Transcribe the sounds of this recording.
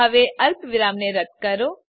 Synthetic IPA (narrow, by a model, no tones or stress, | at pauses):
əʋeʔəlpʋɪɾamneɾəd̪̚kəɾo